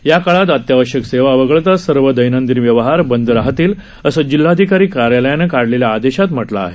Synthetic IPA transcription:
jakaɭat̪̬ət̪jaʋəɕjəkseʋaʋəɡəɭt̪asəɾʋəd̪əjnənd̪inʋjəʋɦaɾbənd̪ɾaɦt̪iːl | əsəd͡ʑilːad̪ʱikaɾiːkaɾjaləjanekaɽleljaːd̪eɕat̪m̤əʈla̰ːɦe

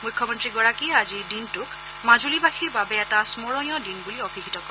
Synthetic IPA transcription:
mʊjkʰːɔmɔntɹiɡɔɹakiazidintʊk | mazulibaxʰiɹbabɛːtasmɔɹɔnjɔdinbuliɔbʱikʰitɔkɔɹ

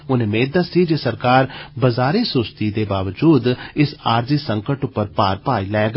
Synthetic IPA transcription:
ʊnẽːmeːd̪aːsiːd͡ʒeːsəɾkaːɾbəzaːɾeːsʊst̪iːd̪eːbaːʋəd͡ʒuːd̪ɪsaːɾziːsəŋkəʈʊpːəɾpaːɾpaːiːlɛːɡ

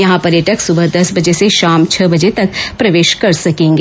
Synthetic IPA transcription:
jɐɦãpɐɾjəʈəksʊbəɦd̪ɐsbɐd͡ʒeseʃaːmt͡ʃʰɐbɐd͡ʒet̪ɐk̚pɾɐʋeːʃkɐɾsɐkẽːŋɡ

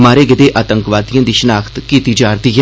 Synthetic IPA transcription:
maːɾeːɡɪd̪eːʔaːt̪ə̃ŋkʋaːd̪ijãːd̪iʃənaːkʰt̪kiːt̪iːd͡ʒaːɾd̪iːɦɛ

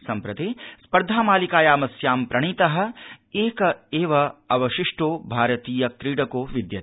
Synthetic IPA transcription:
sɐmpɾɐt̪eːspɐɾd̪ʱaːmaːlikaːjaːmɐsjaːmpɾɐɳ̃iːt̪ɐɦɐ̆eːkɐeːʋɐɐʋɐʃiʂʈoːbʱaːɾɐt̪iːjɐkɾiːɽɐkoːʋid̪jɐt̪ː

